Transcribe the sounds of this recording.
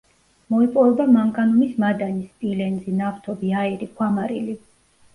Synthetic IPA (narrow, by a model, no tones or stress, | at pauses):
mɔipʼɔvɛbamaŋkʼanumismad̪anispʼilɛnzinaft̪ʰɔbiaiɾikʰwamaɾili